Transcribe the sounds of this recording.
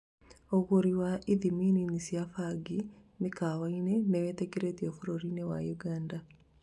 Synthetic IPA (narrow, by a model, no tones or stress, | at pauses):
oɣoɾiwaʔiðimininisiafaɡinikawaineneweteɡeɾetiofuɾoɾinewa̰juɡanda